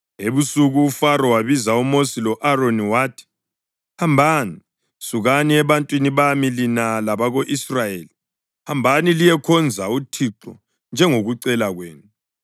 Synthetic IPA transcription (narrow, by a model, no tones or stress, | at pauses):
eβusuɣuːfaɾɔwaβizaumosilɔʔaroniwaːtʰi̥ | hambʱani | suɣaniɛβantʼwiniβamilinalaβaɣoʔisrajeːli | hambʱanilijɛkʰɔnd͡zʱautʰiǁɔ̰ | nd͡ʒʱɛŋoɣuǀɛlaɣweːnu